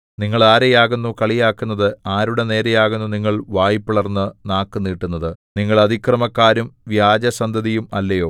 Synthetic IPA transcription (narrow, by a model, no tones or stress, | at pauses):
niŋːɐɭaːɾejaːɣunːukɐɭijaːkːunːɐðɨaːɾuɽe̞ne̞ːɾejaːɣunːuniŋːɐɭʋaːjipːuɭɐrnːɨnaːkːɨnːiːʈːunːɐðɨniŋːɐɭɐd̪ʱikrɐmɐkːaːɾumʋjaːd͡ʑɐsɐnd̪ʱɐðijumɐlːɐjo̞ː